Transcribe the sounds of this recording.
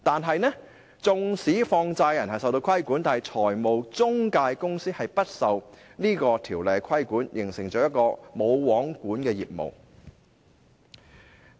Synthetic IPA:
t̪aː˨nɦɐ˨jnɛː˥ | t͡sʊ˨ŋsiː˨˥fɔː˧ŋt͡saː˧jjɐ˨˩nɦɐ˨jsɐ˨wt̪o˧wkʰɐ˥jku˨˥nt̪aː˨nhɐ˨jt͡sʰɔː˨˩jmo˨wt͡sʊ˥ŋkaː˧jkʊ˥ŋsiː˥hɐ˨jpɐ˥t̚sɐ˨wniː˥kɔː˧t̪ʰiː˨˩wlɛː˨˧kʰɐ˥jkuː˨˥njʔɪ˨˩ŋsɪ˨˩ŋt͡sɔː˨˥jɐ˥t̚kɔː˧mo˨˧wwɔː˨˥ŋkuː˨˥nkɛː˧jḭː˨˩p̚mo̰˨˩w

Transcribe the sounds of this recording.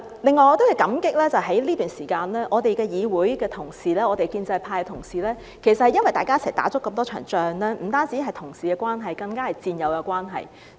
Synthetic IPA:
lɪ˨ŋːɔː˨˧jɔː˨˧t̪o˥whɐ˨˩jkɐ˨˥mkɪ˥k̚lɛː˥t͡sɐ˨wɦɐ˨˥jliː˥t̪yː˨nsiː˨˩kaː˧nlɛː˥ʔɔː˨˧t̪e˨jkɛː˧jiː˨˧wuː˨˥jkɛː˧t̪ʰʊ˨˩ŋsiː˨lɛː˥ɔː˨˧t̪e˨jkiː˧nt͡sɐ˧jpʰaː˧jt̪ʰʊ˨˩ŋsiː˨˩lɛː˥ | kʰe˨˩jsɐt̚hɐ˨jɐ˥nwɐ˨jt̪aː˨jkaː˥sɛ̰ː˨˩t̪a̰ː˨˥t͡sʊ˥kːɐ˧mt̪ɔː˥t͡ʃʰœ̰ː˨˩ŋt͡ʃœː˨ŋlɛː˥m̩˨˩t̪aː˥nt͡siː˨˥ɦɐ˨jt̪ʰʊ˨˩ŋsiː˨kɛː˧kwaː˥nɦɐ˨jkɐ˧ŋkaː˥hɐ˨jt͡siː˧njɐ˨˧wkɛ˧kʷaː˥nɦɐ̰˨j

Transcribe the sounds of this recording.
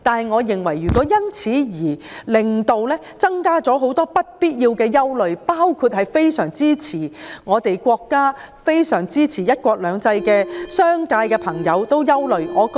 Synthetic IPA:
t̪aː˨nhɦɐ˨˩jŋɔː˨˧jɪ˨ŋwɐ˨˩jɥyː˨kɔː˨˥jɐ˥nt͡sʰiː˨˥jiː˨˩lɪ˨ŋt̪o˨wlɛː˥t͡sɐ˥ŋkaː˥t͡sɔː˨˥ɦo˨˥wt̪ɔː˥pɐ˥t̚piː˥t̚jiː˧wkɛː˧jɐ˥wlɵ˨ɥpaː˥wkʰuː˧t̚hɐ˨jfe˥jsœː˨˩ŋt͡siː˥t͡sʰiː˨˩ŋɔː˨˧t̪e˨jkʷɔː˧kːaː˥ | fe˥jsœː˨˩ŋt͡siː˥t͡sʰiː˨˩jɐ˥t̚kʷɔː˧k̚lœː˨˧ŋt͡sɐ˧jkɛː˧sœː˥ŋkaː˧jkɛː˧pʰɐ˨˩ŋjɐ˨˧wt̪o˥wjɐ˥wlɵ˨ɥŋɔː˨˧k

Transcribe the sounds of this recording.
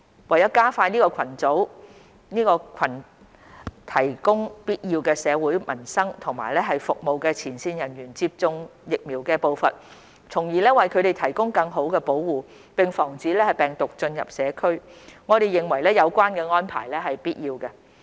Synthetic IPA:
wɐ˨˩jɐ˥kaː˥faː˧niː˥kɔː˧kʰɐ˨˩nt͡so˨˥w | niː˥kɔː˧kʰɐ˨˩n | t̪ʰɐ˨˩jkʊ˥ŋpiː˥t̚jiː˧wkɛː˧sɛː˨˧wuː˨˥jmɐ̰˨˩nsɐ˥ŋt̪ʰʊ˨˩ŋmaː˨˩jlɛː˥ɦɐ˨jfʊ˨k̚mo˨wkɛː˧t͡sʰiː˨˩nsiː˧njɐ˨˩nɥyː˨˩nt͡siː˧p̚t͡sʊ˧ŋjɪ˨k̚miː˨˩wkɛː˧po˨˧wfɐ˨t̚ | t͡sʰʊ˨˩ŋjiː˨˩lɛː˥wɐ˨jkʰɵ˨˧ɾe˨˩jt̪ʰɐ˨˩jkʊ˥ŋkɐ˧ŋɦo˨˥wkɛː˧po˨˥wwuː˨˩ | pɪ˨ŋfɔː˨˩ŋt͡siː˨˥lɛː˥hɐ˨jpɛː˨ŋt̪ʊ˨k̚t͡ʃɵ˧njɐ̰˨p̚sɛː˨˧kʰɵ˥ɥŋɔː˨˧ɾe˨jɪ˨˩ŋwɐ˨˩jlɛː˥jɐ˨˧wkʷaː˥nkɛː˧ŋɔː˥npʰa̰ː˨˩jlɛː˥ɦɐ˨jpiː˥t̚jiː˧wkɛ˧

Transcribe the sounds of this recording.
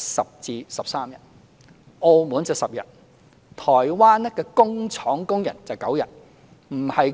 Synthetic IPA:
sɐ˨p̚t͡siː˨˧sɐ˨p̚saː˥mjɐ˨˩t̚ | ʔo˧wmuː˨˥nt͡sɐ˨˧˩sɐ˨p̚jɐ˨t̚ | t̪ʰɔː˨˩jwaː˥n˥kɛː˧kʊ˥ŋt͡sʰɔː˨˥ŋkʊ˥ŋjɐ̰˨˩nt͡sɐ˨wkɐ˨˥wjɐ˨t̚ | m̩˨˩hɐ˨j

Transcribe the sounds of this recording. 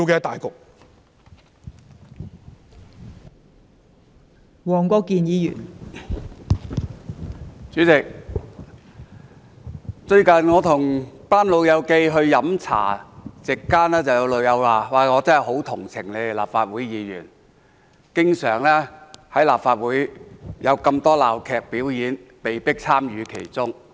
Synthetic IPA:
wkɛː˨˧t̪aː˨jkʊ˨k̚ | wɔː˨˩ŋkʷɔː˧kːiː˨njiː˨˧jy̰ː˨˩n | t͡syː˨˥t͡sɪ˨k̚ | t͡sɵ˧ɥkɐ˨nŋɔː˨˧t̪ʰʊ˨˩ŋpaː˥nlo˨˧wjɐ˨˧wke˧jɦɵ˧ɥjɐ˨˥mt͡sʰa̰ː˨˩t͡sɪ˨kːaː˥nlɛː˥t͡sɐ˨wjɐ˨˧wlɵ˨˧wjɐ˨˧wlaː˨˩waː˨˩ŋɔː˨˧t͡sɐ˥n˨jɦo˨˥wt̪ʰʊ˨˩ŋt͡sʰɪ˨˩ŋle˨˧˨la̰ː˨p̚faː˧t̚wuː˨˥jjiː˨˧jy̰ː˨˩n | kɪ˥ŋsœː˨˩ŋlɛː˥hɐ˨˥jlaː˨pfaː˧t̚wuː˨˥jjɐ˨˧wkɐ˧mt̪ɔː˥laː˨˩wkʰɛː˨˧k̚piː˨˥wjiː˨˥npe˨jpɪ˥k̚t͡sʰaː˥mjyː˨˧kʰe˨˩jt͡sʊ˥ŋ

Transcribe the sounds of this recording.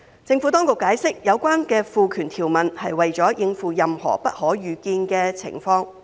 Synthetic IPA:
t͡sɪ˧ŋfu˨˥t̪ɔː˥ŋkʊ˨kːaː˨˥jsɪ˥k̚jɐ˨˧wkʷwaː˥nkɛː˧fuː˨kʰyː˨˩nt̪ʰiː˨˩wmɐ˨nhɐ˨jwɐ˨jt͡sɔː˨˥jɪ˧ŋfuː˨jɐ˨mhɔ̰ː˨˩pɐ˥t̚hɔː˨˥jyː˨kiː˧nkɛː˧t͡sʰɪ̰˨˩ŋfɔː˧ŋ

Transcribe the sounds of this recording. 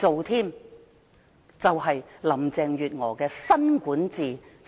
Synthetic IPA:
t͡so˨wt̪ʰiː˥m | t͡sɐ˨wɦɐ˨jlɐ˨˩mt͡sɛː˨ŋjyː˨t̚ŋɔː˨˩kɛː˧sɐ˥nkuː˨˥nt͡siː˨

